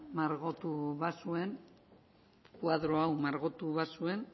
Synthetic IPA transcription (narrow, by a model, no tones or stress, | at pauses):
maɾɣot̪uβasue̞n | kuaðɾo̞awmaɾɣot̪uβasue̞n